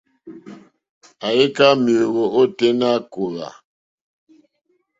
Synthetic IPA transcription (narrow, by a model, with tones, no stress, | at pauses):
a˨e˦ka˦mjo˨ɣo˨o˦te˦na˦˨ko˨ɾa̰˨